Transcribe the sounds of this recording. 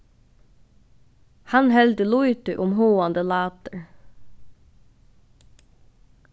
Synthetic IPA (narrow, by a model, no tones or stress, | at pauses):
hɑnhɛld̪əluʏt̪ʏʔʊmhoːɑnd̪əlɑːt̪əɹ